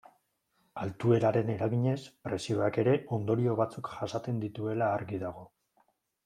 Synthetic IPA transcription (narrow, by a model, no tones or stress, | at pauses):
alt̪ue̞ɾaɾe̞ne̞ɾaɣiɲe̞spɾe̞sio̞ake̞ɾe̞ʔo̞nd̪o̞ɾio̞βat͡sukʝasat͡s̪e̞nd̪it̪ue̞laːɾɣiðaɣ̞o̞